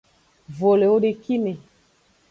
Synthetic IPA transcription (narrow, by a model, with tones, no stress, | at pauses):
vo˨le˨o˦ɗe˨ki˦ne˨